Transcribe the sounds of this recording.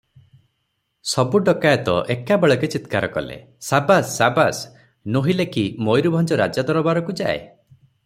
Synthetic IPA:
sɔbuɖɔkajt̪ɔ̰ʔekabeɭɔket͡ʃit̪kaɾɔkɔ̰lḛ | sabasːabas | noɦilekʰimojɾubʱɔnd͡ʒɔɾa̰d͡ʒad̪ɔɾɔbaɾɔkud͡ʒa̰ḛ

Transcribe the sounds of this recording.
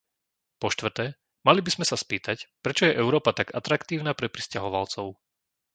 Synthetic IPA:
pɔʃt̪ʋr̩t̪ɛː | malibizmɛsaspiːt̪acpɾɛt͡ʃɔjɛʔɛʊɾɔːpat̪aɡat̪ɾakt̪iːʊnaːpɾɛpɾiscaɦɔʋalt͡sɔʊ

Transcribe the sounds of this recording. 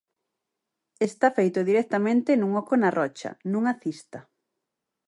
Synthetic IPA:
est̪afejt̪ʊðiɾɛk̚t̪ɐmẽnt̪ɪnũŋɔkʊnɐrɔt͡ʃɐ̰nũŋaθist̪ɐ

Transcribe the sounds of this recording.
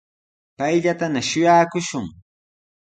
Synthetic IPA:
pajʎat̪anaʃʊjaːkʊʃʊŋ

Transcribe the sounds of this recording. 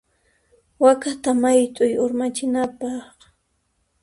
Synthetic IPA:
wakat̪amajt̪ʼʊjʊɾmat͡ʃɪnapɑχ

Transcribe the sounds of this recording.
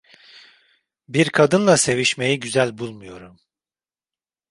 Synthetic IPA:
biɾkʰad̪ɯnlˠase̞viʃme̞jiɟyzælʲbulˠmujo̞ɾum

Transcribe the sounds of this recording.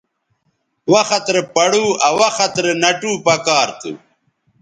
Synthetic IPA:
wɐxɐt̪ɾepɐɽuɐwɐxɐt̪ɾenɐʈuːpɐkaːɾt̪ṵ

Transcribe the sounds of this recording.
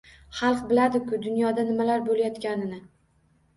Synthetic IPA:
χɑlˠqbɪlad̪ɪkʰʊd̪ʊnjɒd̪anɪmalaɾbolajɒt̪kʲanɪnɪ

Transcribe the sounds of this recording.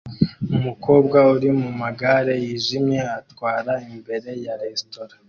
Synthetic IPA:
umukʰo̞ːbɡauɾimumaɡaɾe̞jiːʒimɲe̞atwaːɾaimbe̞ɾe̞jaɾestoɾa

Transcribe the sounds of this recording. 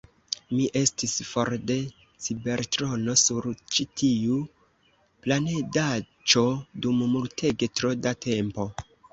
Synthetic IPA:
miʔe̞stisfo̞ɾde̞ | sibe̞ɾtɾo̞no̞suɾt͡ʃitʰiu | planeda | t͡ʃo̞dummultʰe̞ɡe̞tɾo̞datʰe̞mpo̞

